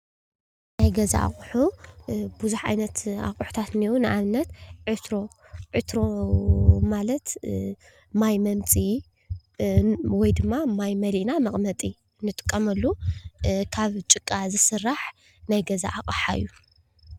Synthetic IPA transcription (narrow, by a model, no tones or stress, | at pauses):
najɡɐza̰a̰χʼħu | buzuħʕa̰jnɐt̪a̰χʼħu̥t̪ʰat̪niwunɨʔaβnːɐt̪ʕɨt̪ɾo̞ | ʕɨt̪ɾo̞ | malɐt̪ | majmɐmt͡sʼi | wɔjd̪ɨmːamajmɐliʔnamɐχʼmɐt̪ʼi | nɨt̪ʼɨ̥kʼːɐmɐlːu | kʰaβt͡ʃʼɨkʼːazɨsɨrːaħ | najɡɐza̰ʔakʼħaɨ̰jːu